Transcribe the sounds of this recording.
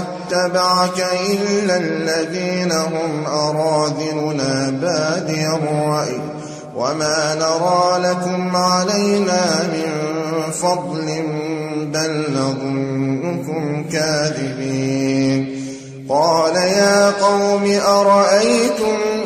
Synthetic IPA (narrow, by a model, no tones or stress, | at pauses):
at̪ːabaʕakaʔɪllːalːaðiːnaɦʊmʔɑɾˤɑːd̪ɪnʊnaːbaʕd̪ɪjɑrˤːɑʔɪ̰ː | wa̰maːnɑɾˤɑːlakʊmʕalajnaːmɪnfɑd̪ˤlɪmbalːɑðˤʊnːʊkʊmkaːðɪbiːn | qɑːlajaːqɑwmɪʔɑɾˤɑʔajt̪ʊm